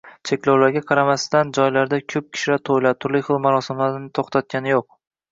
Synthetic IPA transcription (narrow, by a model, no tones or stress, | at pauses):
t͡ʃʰe̞kʲlawlaɾɡʲaqʰɑɾamast̪and͡ʒɒjlaɾd̪akʲʰɵp̚kʲʰɪ̥ʃlat̪ʰojlat̪ʰʊɾlɪjχɨlˠmaɾɒsɪmlaɾɪnɪt̪ʰoχt̪ʰat̪̚kʲʰanɪjoq̚